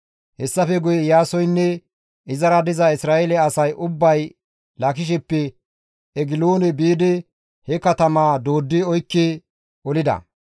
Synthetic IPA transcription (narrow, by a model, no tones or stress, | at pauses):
hɛsːɐfɛɡʊjɛjaːsɔjnːɛ | ɪzɐɾɐd̪ɪzɐɪsɾaːelɛɐsɐjʔʊbːɐj | lɐkɪʃ̬ɛpːɛ | ɛɡɪloːnɛbiːd̪ɛ | hɛkɐt̪ɐmaːd̪o̞ːd̪ːɪɔjkːe | ɔlɪd̪ɐ̰